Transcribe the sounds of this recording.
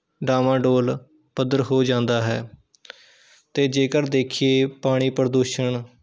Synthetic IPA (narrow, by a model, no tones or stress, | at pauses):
ɖaːmãːɖoːl | pəd̪əɾɦoːd͡ʒãːnd̪aːɦɛː | t̪eːd͡ʒeːkəɾd̪eːkʰieːpaːɽ̃iːpəɾd̪uːʃəɳ